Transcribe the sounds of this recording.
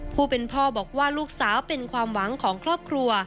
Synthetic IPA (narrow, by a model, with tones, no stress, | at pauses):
pʰuː˥˩pe˧npʰɔː˥˩bɔː˨˩k̚waː˥˩luː˥˩k̚saː˩˦wpe˧nkʰwaː˧mwa˩˦ŋkʰɔː˩˦ŋkʰɾɔː˥˩p̚kʰɾu˧ɐ